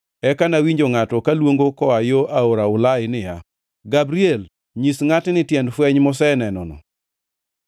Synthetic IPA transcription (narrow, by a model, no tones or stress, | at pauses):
ɛkanawiɲd͡ʒoŋatɔkalwoŋɡokɔajoʔaoɾaʊlaɪnɪja | ɡabɾiɛl | ɲisŋatnɪtjɛndfwɛɲmɔsɛnɛnɔnɔ̰